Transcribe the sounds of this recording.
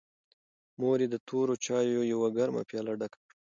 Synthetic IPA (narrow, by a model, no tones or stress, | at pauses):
moɾed̪ət̪ʰoɾot͡ʃɑjojawaɡaɾma̰pjɑːlaɖakḁ